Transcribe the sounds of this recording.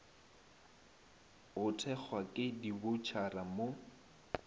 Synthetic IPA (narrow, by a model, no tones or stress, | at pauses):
ɣʊtʰɛk͡xʰwakʼɪdibʊt͡ʃʰaramo